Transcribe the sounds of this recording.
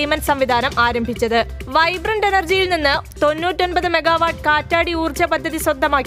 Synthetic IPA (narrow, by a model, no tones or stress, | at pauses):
jmɐnsɐmʋid̪ʱaːnɐmaːɾɐmbʱit͡ɕːɐðɨʋɐjbrɐɳɖe̞nɐrd͡ʑijilninːɨt̪o̞nːuːtːo̞nbɐðɨme̞ɡaːʋaːʈ̚kaːtːaːɽiuːrt͡ɕɐpɐd̪ʱːɐðisrɐd̪ʱːɐmaːkː